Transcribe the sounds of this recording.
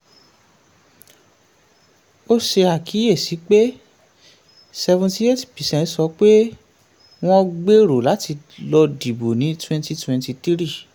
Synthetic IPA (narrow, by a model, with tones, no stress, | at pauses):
o˦ʃe˧a˨kʰi˨˦je˦˨si˨˦k͡pe˦ | sɛ˧vũ˧ti˧˦e˦˨tpi˨sɛ̃˨nsɔ˧˦k͡pe˦ | w̃ɔ̃˦ɡ͡be˦ɾo˨la˨˦ti˧ | lɔ˧di˨bo˨nĩ˨˦twɛ̃˦nti˧twɛ̃˧nti˧t̪i˦ɾi˦˨